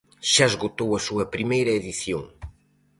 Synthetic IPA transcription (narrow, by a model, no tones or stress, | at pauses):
ʃaezɣot̪owɐsuɐpɾimejɾɐeðiθjo̰ŋ